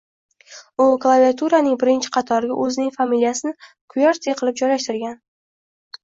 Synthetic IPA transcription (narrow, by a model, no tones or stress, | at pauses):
ʊklˠaviat̪ʰuɾanɪŋbɪɾɪnt͡ʃʰɪ̥qʰɑt̪ʰɒɾɪɡʲa̰ʔɵzɪnɪŋʲfamilijasɪnɪ | kʰʊjɒɾt̪ʰejqʰɨlˠɪp̚d͡ʒɒjlaʃt̪ɪɾɡʲan